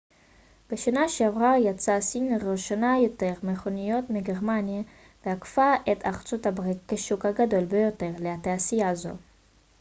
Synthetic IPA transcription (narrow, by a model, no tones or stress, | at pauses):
b̥eʃanaʃeavʁajat͡sasinʁoʃanajo̞t̪eʁmeχonijo̞t̪miɡeʁmanja | v̥eakfaʔet̪aχt͡sut̪habʁit̚keʃukhaɡad̪o̞lbejo̞t̪e̞ʁleat̪easijaːzo̞̰